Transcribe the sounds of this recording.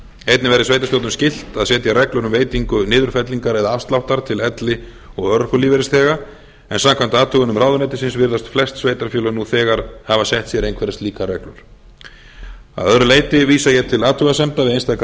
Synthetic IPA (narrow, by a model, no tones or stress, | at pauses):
ejt̪nɪvɛɾɪsveːjt̪asowt̪ʏmscɪl̥t̪aðsɛːt̪jarɛklʏɾʏmveːjt̪iŋkʏnɪːðʏɾ̥fɛt̪liŋkaɾɛðaafst̪lawht̪aɾ̥t̪ʰɪlɛt̪lɪ | ɔɣœɾkʏliːvɛɾɪst̪ʰɛːɣa | ɛnsamkʰam̥t̪ɪaːt̪ʰʏɣʏnʏmraːwðʏnɛjt̪ɪsɪnsvɪɾðast̪flɛst̪sveːjt̪aɾfjœːlʏnuθɛːɣaɾ̥havasjɛht̪sjɛɾejnkʰvɛɾɪst̪liːkarɛklʏɾ̥ | a̰ðœðɾʏleːjt̪ɪviːsajɛt̪ʰɪlaːt̪ʰʏɣasɛmt̪avɪðejnst̪ʰajk